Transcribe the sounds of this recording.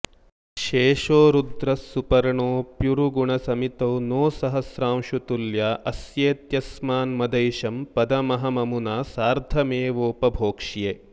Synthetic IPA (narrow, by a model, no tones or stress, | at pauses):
ʃeːʃoːɾud̪ɾɐsːupɐɾɐɳoːpjuɾuɡuɳɐsɐmit̪ɐwnoːsɐɦɐsɾaːmʃut̪uljaːʔɐsjeːt̪jɐsmaːnmɐd̪ɐjʃɐmpɐd̪ɐmɐɦɐmɐmunaːsaːɾd̪ʱɐmeːʋoːpɐbʱoːkʂijeː